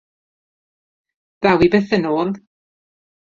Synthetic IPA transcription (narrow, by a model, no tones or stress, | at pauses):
ð̥awibɛθənoːlˠ